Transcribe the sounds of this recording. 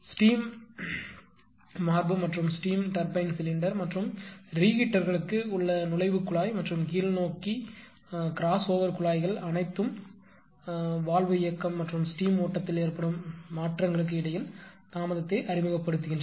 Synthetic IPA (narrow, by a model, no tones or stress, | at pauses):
sʈiːm | aːɾbɯmːɐʈrɯmsʈiːmʈɐɾpɐɪnsɪlɪɳɖɐɾmɐʈrɯmɾiːɣɪʈːɐɾɣɐɭɯkːɯʊɭːɐnʊlɐɪʋɯkːʊɭaːjmɐʈrɯmkiːlnoːkːi | kɪɾaːsoːʋɐɾkʊɭaːjɣɐɭɐnɐɪt̪ːɯm | ʋaːlʋɯɪjɐkːɐmːɐʈrɯmsʈiːmoːʈːɐt̪ːɪleːɾpːɐɽɯmːaːʈrɐŋɡɐɭɯk̬ːɯɪɽɐjɪlnaːmɐðɐt̪ːeʔɐɾɪmɯɣɐpːɐɽɯt̪ːɯɣɪndr